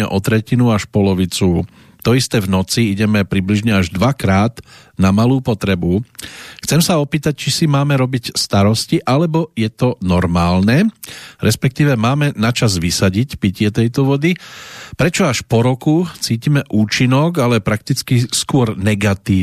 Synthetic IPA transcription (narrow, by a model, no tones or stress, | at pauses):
ɛ̰ʔɔt̪ɾɛcinuaʃpɔlɔʋit͡su | t̪ɔist̪ɛːvnɔt͡siiɟɛmɛpɾibliʒɲɛaʒd̪ʋakɾaːd̪ | namaluːpɔt̪ɾɛbuxt͡sɛmsaɔpiːt̪ac̚t͡ʃisimaːmɛɾɔbicst̪aɾɔsciʔalɛbɔjɛt̪ɔnɔɾmaːlnɛɾɛspɛk̚t̪iːʋɛmaːmɛnat͡ʃazʋisaɟicpicɪɛt̪ɛjt̪ɔʋɔd̪ipɾɛt͡ʃɔaʃpɔɾɔkut͡siːcimɛʔuːt͡ʃinɔɡalɛpɾak̚t̪it͡skiskʊɔɾnɛɡat̪iː